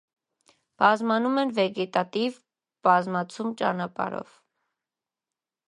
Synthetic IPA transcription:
b̥ɑzmɑnumɛnvɛɡɛt̪ɑt̪iv | b̥ɑzmɑt͡sʰumt͡ʃɑ̰nɑpɑ̰ɾɔ̰v̥

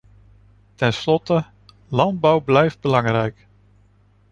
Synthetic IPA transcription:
tɛnslɔtə | lɑnd̚bɑwblɛjfd̚bəlɑŋrɛjk

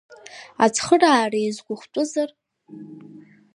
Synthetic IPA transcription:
at͡sʰχəraːrajizɡʷʊχʷtʷʼʊzar

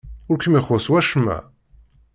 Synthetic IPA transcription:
ʊɾkəmiχʊswæʃmːæ̰

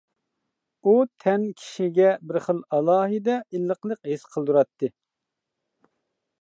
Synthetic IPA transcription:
ut̪ʰɛnkʲʰi̥ʃiɡʲɛbɪɾχəlˠɑlˠɑːɦɨd̪ɛʔilːəqlˠəqɦesqʰəlˠd̪uɾɑt̪ːɨ

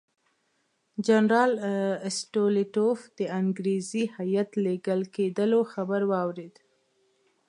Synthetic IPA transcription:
d͡ʒanɾɑlɪsʈolɪʈofd̪̥əaŋɡɾezihajat̪leɡəlked̪əloxabəɾwɑwɾed̪

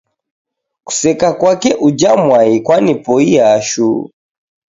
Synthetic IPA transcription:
ku̥sɛkakwakɛʔud͡ʒamwaikwanipɔiaʃu

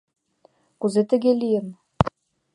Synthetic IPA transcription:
kuzet̪ɘ̆ɡʲelʲijɘ̆m

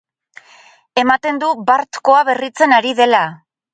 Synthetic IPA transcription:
e̞mat̪e̞nd̪ubaɾt̪ko̞aβe̞rit͡se̞naɾiðe̞la

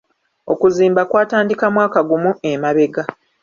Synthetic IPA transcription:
o̞kuziːmbakwaːtaːndikamwaːkaɡumue̞maβe̞ɡa

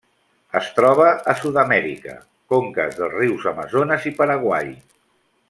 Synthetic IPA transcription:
əst̪ɾɔβ̞əʔːsuðəmɛɾḭkə̰ | koŋkə̰zðəlˠzriwzəməzonəzipəɾəɣwaj

